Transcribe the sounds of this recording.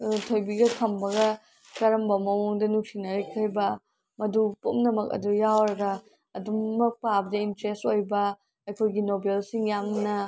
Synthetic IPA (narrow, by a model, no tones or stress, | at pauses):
tʰojbiɡɐkʰɐmbɐɡɐ | kɐɾɐmbɐmɐmoŋdɐnuksinɐɾekʰɐjbɐ | mɐdupomnɐmɐkɐ̰dujawɾɐɡɐː | dumːɐk̚pabɐdɐintɾestojbɐ | ɐjkʰojɡinobelsiŋjamnɐ